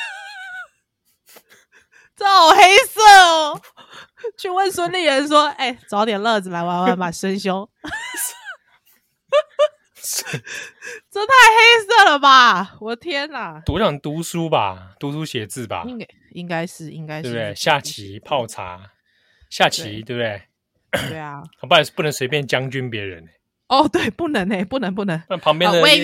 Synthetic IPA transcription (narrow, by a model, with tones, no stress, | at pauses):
t͡so˥˩xo˨˩ʊxe˥ɪsɤ˥˩ | t͡ɕʰy˥˧wə˥˨nswə˦nli˥˩ɻə˧˦nʂwɔ˦˥e˥˩ɪt͡sɑ˧˥ʊt̪jɛ˨˩nlɤ˥˨d͡zɹ̩˨la˧˥ɪwa˧˥˦nwaa˧˥nba˨˩ʂwə˦nɕjo˥ʊ | t͡so˥t̪ʰa˥˩ɪxe˥ɪsɤ˥˩lə˩ba˨˩wɔ˨˩t̪ʰjɛ˦˥na˨˩t̪u˨˦t͡ɕɑ˨˩ŋt̪u˨˥su˦ba˨t̪u˧˦su˦ɕjɛ˨˦t͡sɹ̩˥˩ba̰˨˦ | i˦ŋka˥ɪʂɻ̩˥˩ḭ˦ŋka˧˥ɪe˥˧t̪e˥˧˩ɕja˥˨˩t͡ɕʰi˨˦pʰɑ˥˨˩ʊt͡sʰa̰˧˦ | ɕja˥˨˩t͡ɕʰi˨˦˩t̪we˥˧˩t̪e˥˩ɪ | e˥˧˩a˨˩hpa˥˧˨pu˥˨nə˧˦ŋswe˧ɪp̬jɛ˥˨nt͡ɕjɑ˦ŋt͡ɕy˦npjɛ˨˧˦ɻə̰˦ne˨˩ | ɔ˥˨˩t̪we˥˩ɪpu˥˩nə˨˥ŋe˨ɪpu˥˨nə˧˦ŋp̬u˥˩nə˨˦ŋ˥˩pʰɑ˧˥ŋpjɛ˥˨nd̪we˥˧